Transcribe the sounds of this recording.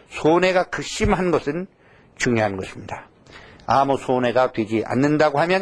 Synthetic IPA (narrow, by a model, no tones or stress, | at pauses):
sʰone̞ɡakɯk̚ɕ͈imɦanɡʌsʰɯn | t͡ɕuŋjoɦanɡʌɕʰimɲida | amusʰone̞ɡatwe̞d͡ʑiʔa̰nːɯndaɡohamjʌn